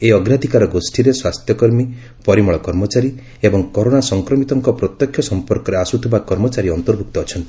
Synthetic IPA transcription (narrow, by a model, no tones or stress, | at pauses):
eɔɡɾad̪ʱikaɾɔɡosʈʰiɾeswast̪ʰjɔkɔɾmi | pɔɾimɔɭɔkɔɾmɔt͡ʃaɾi | ebɔŋkɔɾonasɔŋkɾɔmit̪ɔŋkɔpɾɔt̪jɔkʰjɔsɔmpɔɾkɔɾeasut̪ʰibakɔɾmɔt͡ʃaɾiɔnt̪ɔɾbʱuk̚t̪ɔːt͡ʃʰɔnt̪ii̥